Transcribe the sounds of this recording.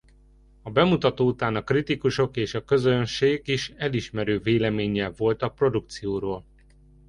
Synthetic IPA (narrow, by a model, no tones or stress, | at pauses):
ɒbɛmut̪ɒt̪oːut̪aːnɒkrit̪ikuʃo̞keːʃɒkø̞zønʃeːɡiʃɛliʃmɛɾøːveːlɛmeːɲɛvo̞lt̪ɒpro̞d̪uk̚t̪sijoːɾoːl